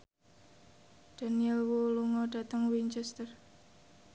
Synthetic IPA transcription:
d̥a̤niɛlwoluŋɔɖ̥ä̤t̪əŋwint͡ʃɛst̪ər

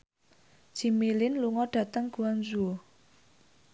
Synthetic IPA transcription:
d͡ʒ̥i̤milɪnluŋɔɖ̥a̤t̪əŋɡ̥ṳanzuo

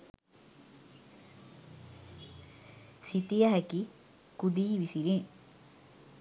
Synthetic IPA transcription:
ʃit̪ijəɦæki | kud̪iːʋisile

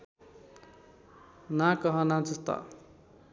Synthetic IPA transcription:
nãkʌɦʌnãt͡sut̪ʌ̰

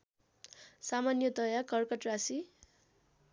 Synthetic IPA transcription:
samanjʌd̪ʌjakʌrkʌʈrasi

